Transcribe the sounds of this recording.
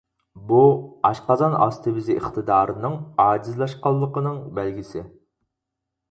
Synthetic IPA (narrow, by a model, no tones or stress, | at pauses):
buɑʃqɑzɑnɑ̰st̪ʰɨbɪziʔeχt̪ɨd̪ɑːɾɨnɨŋɑːd͡ʒizlˠɑʃqɑlˠːəqənɨŋbɛlɡʲisɪ